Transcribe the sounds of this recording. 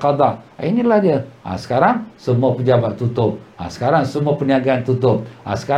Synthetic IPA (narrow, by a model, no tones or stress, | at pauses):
qɑd̪ɑinilahd͡ʒəa̰sə̥kaɾaŋsəmuapəd͡ʒabat̪ːut̪ʊp̚a̰sə̥kaɾaŋsəmuapəniaɡaant̪ut̪ʊp̚a̰sə̥ka